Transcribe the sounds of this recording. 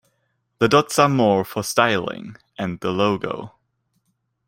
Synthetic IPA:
ðədɔtsə˞mɔɹfə˞staɪlˠɪ̰̃ŋ | ʔɨ̃nðəloʊɡo̰ʊ

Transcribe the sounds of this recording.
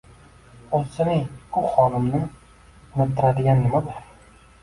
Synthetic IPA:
olsɪnɪbʊχɒnɪmnɪ | ʊnɪpt̪ʰːɪɾad̪ɪɡʲanːɪmad̪ɪɾ

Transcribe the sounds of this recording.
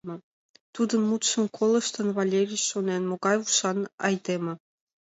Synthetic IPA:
mɤ̆ | t̪ud̪ə̆nmut̪ʃə̆nkʰolˠɤ̆ʃt̪ɤ̆nvɑlʲerʲit͡ɕʃonenmoɡɑjuʃɑnɑjd̪emɤ̆

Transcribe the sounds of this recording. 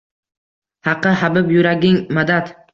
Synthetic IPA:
hɑqːɨhabɪpjʊɾaɡʲɪŋmad̪at̪

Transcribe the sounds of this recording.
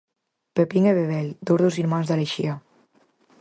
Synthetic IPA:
pepiŋeβeβɛld̪uɾðoziɾmanzðaleʃia

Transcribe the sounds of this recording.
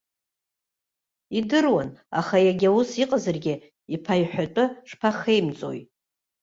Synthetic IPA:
idɨrwana̰χajaɡʲawusiqʼazarɡʲɪ | ipʰajħʷᶣatʷʼʊʂpʰaχejmt͡sʼo̞̰j

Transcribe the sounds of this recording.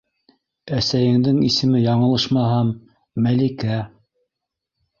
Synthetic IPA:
æsæjɘ̆ŋd̪ɘŋisɘ̆mɘjɑɴɤ̆lˠɤʃmɑɦɑmː | ælikæ

